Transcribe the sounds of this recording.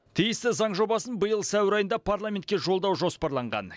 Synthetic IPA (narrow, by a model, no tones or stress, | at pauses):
t̪ʰijɪst̪ɪzɑɴʒo̞bɑsənbəjəlˠsæwɪɾɑjənd̪ɑpʰaɾlˠamʲe̞nt̪̚kʲe̞ʒo̞lˠd̪ɑwʒo̞spɑɾlˠɑɴʁɑ̰n